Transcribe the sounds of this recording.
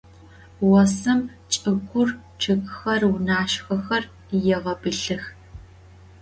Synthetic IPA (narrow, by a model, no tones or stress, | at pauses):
wɐsɨm | t͡ʃʼɨkʷʰʊr | ʈ͡ʂʰɨkxɐrwʊnaːʃxɐxɐr | jɛʁɐbɨɬɨx